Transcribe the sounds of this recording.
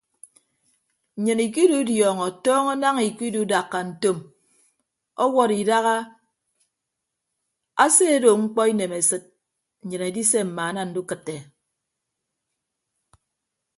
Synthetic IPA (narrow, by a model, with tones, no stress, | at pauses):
ɲɨ˨ni˨ki˦du˦djɔː˨ŋɔ˨tɔː˦ŋɔ˦na˦ŋi˨ki˦du˦da˨kːa˨n̩˨to˦m | ɔ˦wɔ˦ɾi˨da˦ɣa˦ | a˦se˦e˦do˨ŋ͡m̩˦k͡pɔ˦i˦ne˨me˨sɨ˨t̚ | n̩˨ɲɨ˨ne˨˦di˦se˦m̩˨ma˨˦na˦n̩˦du˦kɨ˨tːe˨